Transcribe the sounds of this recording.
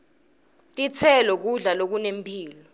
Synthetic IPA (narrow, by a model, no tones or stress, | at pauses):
tʼit͡sʰɛlɔk̬uɮalok̬unempʰʼiːlɔ